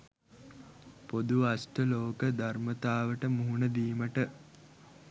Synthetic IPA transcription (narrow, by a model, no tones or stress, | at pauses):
pod̪uasʈəloːkəd̪armət̪aːʋəʈəmuɦunəd̪iːməʈə